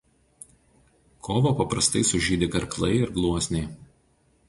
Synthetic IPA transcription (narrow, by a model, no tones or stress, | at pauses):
kʰoːʋoːpɐpɾɐst̪ɐɪsʊʒʲiːd̪ʲɪkɐɾklˠɐɪɪɾɡlˠuɔsʲnʲɛɪ